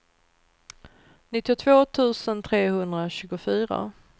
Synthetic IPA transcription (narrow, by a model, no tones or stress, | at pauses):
nɪt̪ːɪʊt̪ʰvoːt̪ʰʉ̟ːsənt̪ʰɾeːhɵnd̪ɾaɕʉ̟ːɡʊfyːɾa̰